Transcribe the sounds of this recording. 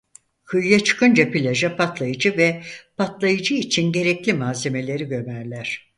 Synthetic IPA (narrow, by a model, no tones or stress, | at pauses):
kʰɯjjat͡ʃʰɯ̥kʰɯnd͡ʒapilʲaʒapʰat̪lˠajɯd͡ʒɯvɛpʰat̪lˠajɯd͡ʒɯit͡ʃʰinɟe̞ɾɛclʲimaːze̞me̞lʲe̞ɾiɟø̞mæɾlʲæɾ̝̥